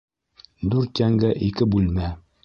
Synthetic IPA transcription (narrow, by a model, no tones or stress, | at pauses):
d̪ʉɾt̪jæŋɡæʔikɘbʉlmæ